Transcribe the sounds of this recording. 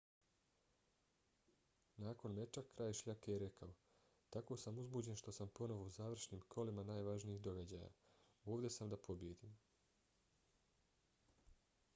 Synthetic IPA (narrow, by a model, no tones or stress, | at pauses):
naːko̞nmet͡ʃakkːɾaːjʃʎakejeɾe̞kao | t̪ako̞ːsamuzbuːd͡ʑe̞nʃt̪o̞sampo̞no̞ʋo̞uzaːʋr̩ʃniːmkʰo̞limanaːjʋaʒniiːxd̪o̞ɡad͡ʑaːja̰ | oːʋd̪e̞samd̪apʰo̞bjed̪iːm